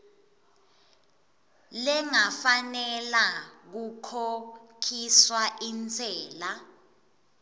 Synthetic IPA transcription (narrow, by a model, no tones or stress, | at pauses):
lɛŋafanɛlak̬ukʰokʰiswaʔint͡sʰʼɛːla